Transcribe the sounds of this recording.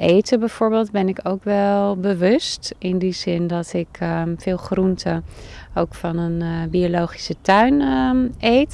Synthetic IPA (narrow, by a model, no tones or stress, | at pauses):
ʔejtəbɛjv̥oːɹbeːlˠtdbɛnɪkowkʋɛlˠbəʋɵstɪndizɪndɔtɪkfɪːlˠχruntʰəowkfɑnənbiolowχi̥sətœɥn | ejt